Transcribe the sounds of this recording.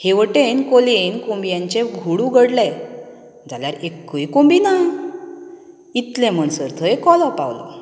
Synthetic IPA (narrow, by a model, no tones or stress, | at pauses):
heʋəʈenkolenkombijãɲt͡ɕẽɡʱuɽuɡʱəɽlɛ | d͡zʱaljaɾekːujkombina | it̪lɛ̃m̤əɳsəɾt̪ʰəekɔlɔpa̰wlɔ̰